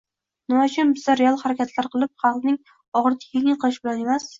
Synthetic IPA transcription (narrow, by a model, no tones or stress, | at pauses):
nɪmat͡ʃʰʊnbɪzaɾealˠhaɾakʲat̪ʰlaɾqɨlˠɪp̚χɑlqnɪŋ | ɒʁɾt̪ʰɪ̥kʲʰɪɪqʰɨlˠɪʃbɪlane̞mas